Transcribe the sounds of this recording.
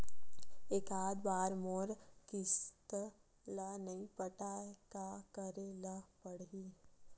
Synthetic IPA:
eːkaːd̪baːɾmoːɾkɪst̪ | lənəĩpəʈaːekakəɾeləpəɽiː

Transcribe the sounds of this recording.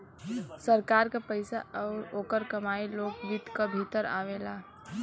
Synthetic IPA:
səɾkaːɾkapəɪsa̰ʔɔːɾoːkəɾkɐmaːiloːɡlit̪kabʱit̪əɾa̰ːʋeːlaː

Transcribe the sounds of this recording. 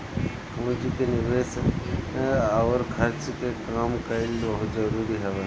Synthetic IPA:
kũːd͡ʒikenɪʋeːseaʋəɾkʰɐɾt͡ʃkekaːmkəɪlbɐɦʊt̪zɐɾuːɾiɦɛʋe

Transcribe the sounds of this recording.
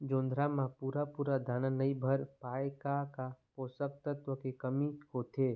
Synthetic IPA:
d͡ʒõːnd̪ʱɾamãpuːɾapuːɾad̪ʱaːnanəibʱəɾpaːjkakapoːsək̚t̪ət̪ʋəkekəmikot̪ʰeː

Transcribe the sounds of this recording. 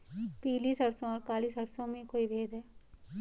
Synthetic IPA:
piːliːsɐɽsõɔːɾkaːliːsɦɐɾsõmẽkoːibʱeːd̪ɦɛː

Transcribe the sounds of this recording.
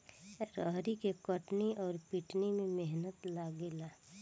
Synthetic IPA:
ɾəɦɾikekəʈniʔɔːɾpiʈnimẽmeɦnət̪laːɡelaː

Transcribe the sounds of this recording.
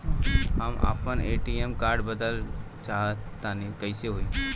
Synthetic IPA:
ɦəma̰ːpəneːʈiemkaːɾɖbəd̪əl | t͡ʃaːɦət̪ːaːnikəɪseɦoi

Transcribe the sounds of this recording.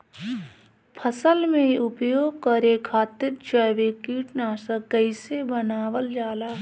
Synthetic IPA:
pʰəsəlmẽʊpjoːɡ̚kəɾekʰːaːt̪ɪɾt͡ʃəjʋekiːʈnaːsəkəɪsebənaːʋəld͡ʒaːlaː

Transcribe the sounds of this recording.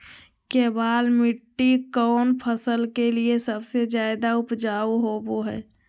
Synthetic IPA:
kebaːlmɪʈːikɔːnpʰəsəlkeliesəbsed͡ʒjaːɪd̪aʊpd͡ʒaːuɦoːboɦɛ̰ː

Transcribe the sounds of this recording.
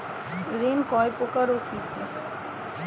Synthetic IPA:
ɾenkɔepokaɾokʰit͡ʃʰe

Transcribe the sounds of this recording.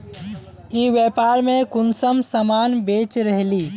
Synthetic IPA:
iʋepaɾmẽkunsəmsəmanbet͡ʃɾəɦli

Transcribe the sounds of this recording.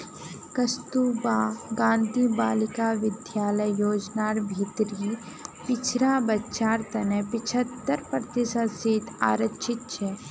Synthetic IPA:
kɐst̪uːbaːɡãːnd̪ʱiːbaːlɪkaʋɪd̪jaːləjjoːd͡ʒnaːɾbʱit̪ɾi | pɪt͡ʃʰɾabɐtːʃaːɾt̪ɐnepɪt͡ʃʰət̪ːəɾpɾət̪ɪsəsiːt̪ʰa̰ːɾət͡ʃʰɪt̪̚t͡ʃʰɛ

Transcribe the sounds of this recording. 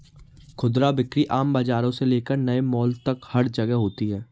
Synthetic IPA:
kʰʊd̪ɾabɪkɾiʔaːmbaːd͡ʒaːɾõseleːkəɾnɐemɔːlt̪ɐkhɐɾd͡ʒɐɡɛɦoːt̪iɦɛː

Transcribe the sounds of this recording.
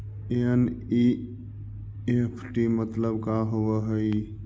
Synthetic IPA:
eəni | epʰʈimət̪ləbkaɦoʋəɦəi

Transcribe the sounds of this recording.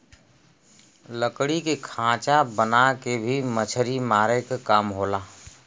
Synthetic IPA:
ləkɽikekʰãːt͡ʃabənakebʱimət͡ʃʰəɾimaːɾekkaːmɦoːlaː

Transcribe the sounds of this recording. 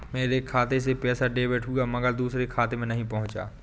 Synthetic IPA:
meːɾekʰaːt̪es̬epɛːsaɖeːʋeʈɦuɡaːmɐɡəɾd̪uːsɾekʰaːt̪emẽnɐɦĩpɐɦʊ̃t͡ʃa̰ː

